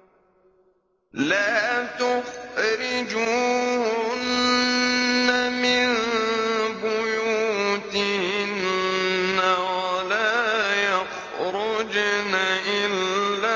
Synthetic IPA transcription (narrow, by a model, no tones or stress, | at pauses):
laːt̪ʊxɾɪd͡ʒuːhʊnː | amɪn | bʊjut̪hɪnː | awalaːjax | ɾʊd͡ʒnaʔɪlːaː